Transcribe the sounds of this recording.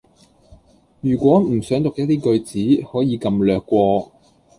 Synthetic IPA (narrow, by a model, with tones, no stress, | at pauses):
jyː˨˩kʷwɔː˨˥m̩˨˩sœː˨˥ŋt̪ʊ˨k̚jɐ˥t̪̚t̪iː˥kɵ˧ɥt͡siː˨˥hɔː˨˥jiː˨˧kɐ˧mlœː˨kːʷɔː˧